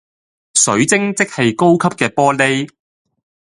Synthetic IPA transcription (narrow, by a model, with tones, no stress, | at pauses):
sɵ̰˨˥ɥt͡sɪ˥ŋt͡sɪ˥k̚hɐ˨jko˥wkʰɐ˥p̚kɛː˧pɔː˥le˥j